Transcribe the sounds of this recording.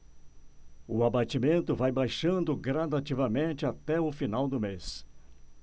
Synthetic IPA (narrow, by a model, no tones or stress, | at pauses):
ʊabat͡ʃimẽnt̪ʊvajbajʃɐ̃nd̪ʊɡɾad̪at͡ʃivɐmẽnt͡ʃɪat̪ɛʊfinawd̪ʊmes